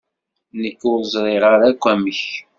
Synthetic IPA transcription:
nəkːʊɾzˤɾˤeʁəɾækʷːæməç

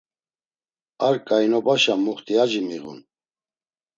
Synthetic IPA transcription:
aɾkʼajnɔbaʃamuχt̪ʰʼiad͡ʒimiɣṵn

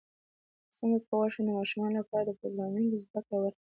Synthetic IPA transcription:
səŋɡakəwaʂud̪əmɑʃumɑnolapɑɾad̪əpɾoɡɾɑmud̪ozd̪akɽawəɾ

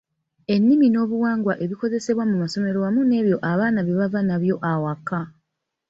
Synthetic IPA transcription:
e̞nːimino̞ːβuwaːŋɡwaʔe̞βiko̞ze̞se̞βwamumaso̞me̞ɾoamune̞ːβjo̞ʔaβaːnaβeβavanaβjo̞ʔawakːa

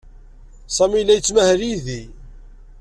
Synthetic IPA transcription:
sˤɑmilːæjət͡sːmæhɾiði

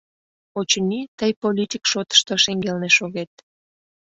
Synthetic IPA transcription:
ot͡ɕənʲit̪əjpolʲit̪ʲikʃot̪ə̥ʃt̪oʃeŋɡelneʃoɣet̪̚

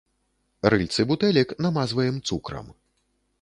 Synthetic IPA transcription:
rɨlʲt̪sɨbut̪ɛlʲiknamazvɐjɛmt̪sukɾɐ̰m

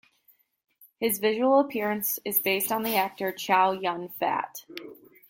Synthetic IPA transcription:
hɨzvɪʒəwl̩ˠəpʰɪɹɨ̃nsɨzbeɪstn̩ðiæk̚tə˞t͡ʃʰɑlˠjʌ̃nfæ̰t

